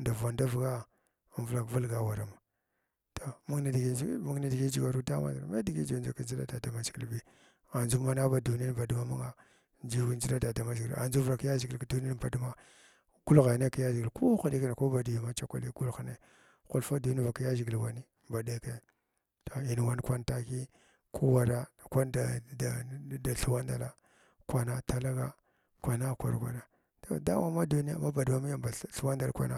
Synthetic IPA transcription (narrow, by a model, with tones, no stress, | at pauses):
nda˨va˨nda˦vɡa˦˨ | vla˨kvu˦lɡa˨wa˨ɾa˨ma˨ | to˨mu˦i˨dɡi˦mu˦ni˦di˨ɡi˦d͡ʒi˨ɡa˨ɾu˦ta˦ma̰˦zɾma˦di˨ɡi˦d͡ʒi˨˦d͡ʒa˨ka˨nd͡ʒi˦a˦da˨da˨ma˦zi˨ɡi˨lbi˦ | a˨nd͡ʒu˦ma˦na˦ba˦du˨n˦ba˨du˦ma˦ma˦ŋa˦ | nd͡ʒi˦wi˦n˦d͡ʒi˦la˦da˨da˨ma˦zɡi˨la̰˨nd͡ʒu˦vɾa˨kja˦zi˨ɡi˨lka˨du˦n˦i˦˨ba˨du˦ma˦ | ɡ̥u˦lɣa˨ne˦ka˦ja˦ʒi˨ɡi˨lko˦xa˨di˦ka˦n˨ko˦ba˨di˨ji˨ma˦t͡ʃa˦kʷa̰˨li˦ɡu˦lxne˦ | xu˦lfa˦du˨ni˦˨va˨ka˦ja˦ʒi˨ɡi˨lwa˨ni˦ | ba˨de˦ke˦ | to˨i˨n˨wa˦n˦kʷa˦nta˦ki˦ | kʰu˦wa˨ɾa˦˨kʷa˦nda˨da˨a˨ɬu˨wa˦nda˨la˦ | kwa˨na˦ta˨la˦ɡa˦ | kwa˨na˦˨kʷa̰˨ɾa˨kʷa̰˨na˨ | da˨da̰˦ma˦ma˦du˦ni˦a̰˨ma˦ba˨dma˦mi˦ja˦ba˨ɬu˨˦wa˦nda˨lkʷa̰˦na˦